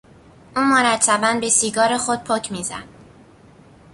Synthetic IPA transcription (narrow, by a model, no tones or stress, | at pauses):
ʔuːnmoɾæt̪ʰːæbænbe̞siːɡɒːɾexod̪̚pʰocʰmiːzæ̰n̥